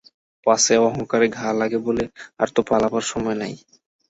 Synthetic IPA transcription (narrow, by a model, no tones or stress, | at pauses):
paseɔɦoŋkaɾeɡʱalaɡebolea̰ɾt̪opalabaɾʃɔmɔenaj